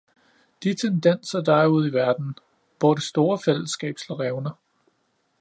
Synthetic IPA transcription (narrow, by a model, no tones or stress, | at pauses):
d̥it͡sʰend̥en̰sɐd̥ɑ̈ɪuð̞̰ˠiʋæɐd̥n̩ | ʋ̥ɒd̥esd̥o̝ːɐfel̰əsɡ̥ɛ̰ːb̥slɒʁɛʊnɐ